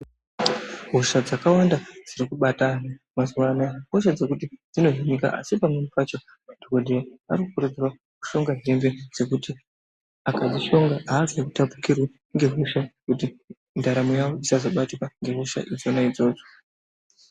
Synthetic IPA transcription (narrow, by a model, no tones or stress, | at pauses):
ɦuʃad͡zakawandad͡ziɾikuɓatana | mazuwanaɦoʃad͡ze̞kutid͡zino̞ɦinika̰ʔa̰sipamwemipat͡ʃo̞ | dokodʱejaa̰ɾikukuɾud͡zirwa | ku̥ʃo̞ŋɡaɦe̞mved͡ze̞kuti | akad͡ziʃo̞ŋɡaːʐekutapu̥kirwe | ŋɡe̞ɦuʃakuti | ndaɾamujawo̞isazo̞ɓatikwaŋɡe̞ɦuʃa̰ʔid͡zo̞naid͡zo̞ːd͡zo̞